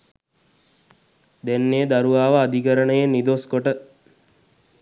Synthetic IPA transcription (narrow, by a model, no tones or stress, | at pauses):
d̪ɛnːeːd̪aɾuʋaːʋəːd̪iɡəɾənəjenid̪oskoʈə